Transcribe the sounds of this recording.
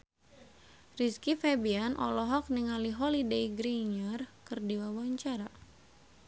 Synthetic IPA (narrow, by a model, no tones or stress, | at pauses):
riskifɛbianʔɔ̰lɔɦɔk̚niŋaliɦɔlidejɡɾiɲərkɨrdiwawaɲt͡ʃaɾa